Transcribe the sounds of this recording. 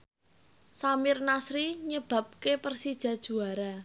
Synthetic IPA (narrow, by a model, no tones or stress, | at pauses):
samɪrnasɾiɲəb̥a̤p̚kepərsid̥ʒ̥ä̤d̥ʒ̥ṳaɾa